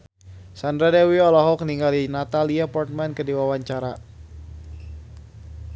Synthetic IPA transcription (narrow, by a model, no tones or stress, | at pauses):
sandɾadɛwiɔlaɦɔkniŋɡalinat̪aliapɔrt̪̚mankədiwawaɲt͡ʃaɾa